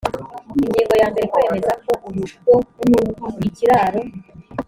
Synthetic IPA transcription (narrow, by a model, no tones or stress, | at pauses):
iɲɟiːŋɡo̞jaːmbe̞ɾe̞kwe̞ːme̞zako̞ʔuɾuʃutoumuiciɾaːɾo̞